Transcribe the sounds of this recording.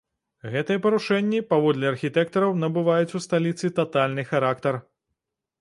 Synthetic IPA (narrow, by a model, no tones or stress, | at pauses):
ɣɛt̪ɨjɛpɐɾuʂɛnʲːipavɔd̪lʲɛɐrxʲit̪ɛk̚t̪ɐɾɐwnɐbɨvajut͡sʲust̪alʲit̪sɨt̪at̪alʲnɨxaɾakt̪ɐr